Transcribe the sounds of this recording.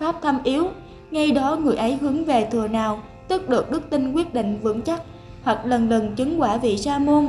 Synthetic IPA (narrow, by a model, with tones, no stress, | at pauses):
faː˦˥p̚t̪ʰa˧mʔi˨˦əw | ŋa˧jɗɔ˨˦ŋɨ˨˩əjʔə˨˦jɦɨ˨˦əŋve˨˩t̪ʰɨ˨˩ənaː˨˩w | t̪ɨ˦˥k̚ɗɨ˨˩ək̚ɗɨ˦˥k̚t̪i˧ŋkwi˦˥ət̚ɗḭ˧˨ŋ̟vɨ̰˧˥nt͡ɕa˦˥k̚ | hwa˨˩k̚lə˨˩nlə˨˩nt͡ɕɨ˨˦ŋkwaː˧˩vḭ˧˨saː˧mo˧n